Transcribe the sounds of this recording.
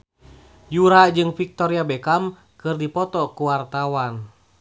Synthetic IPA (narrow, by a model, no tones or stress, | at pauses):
juɾad͡ʒɨŋfik̚t̪ɔɾiabɛkam | kɨrdipɔt̪ɔkuwart̪awan